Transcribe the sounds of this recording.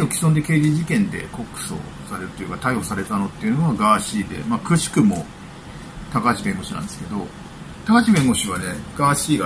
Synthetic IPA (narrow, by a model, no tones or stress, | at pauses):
okʲi̥sond̪e̞ke̞ːd͡ʑiʑikẽ̞nd̪e̞̰ko̞kːɯ̟̥so̞̰ | saɾe̞ɾɯ̟t̪ːojiɯ̟̰kat̪aiho̞saɾe̞t̪ano̞t̪ːeiɯ̟noɡaɡaːɕiːd̪e̞̰makɯ̟ɕi̥kɯ̟mo̞ | t̪akat͡ɕibẽ̞ŋɡo̞ɕinã̰nd̪e̞sɨ̥ke̞d̪o̞ | t̪akat͡ɕibẽ̞ŋɡo̞ɕiβ̞aneɡ̥aːɕiːɡa